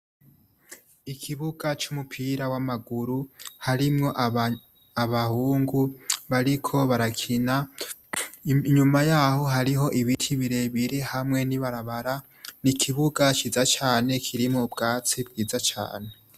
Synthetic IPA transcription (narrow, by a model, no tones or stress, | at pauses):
ikʰiβuɡat͡ʃumupʰiɾawamaɡuɾuhaɾimŋo̞ʔ | aβahuːŋɡuβaɾikʰo̞βaɾakʰina | ɲumajaho̞ɦaɾiɦo̞ʔiβitʰiβiɾe̞βiɾihamŋe̞niβaɾaβaɾa | nikʰiβuɡat͡ʃizat͡ʃaːne̞kʰiɾimŋobɡaːt͡sibɡiːzat͡ʃa̰ːne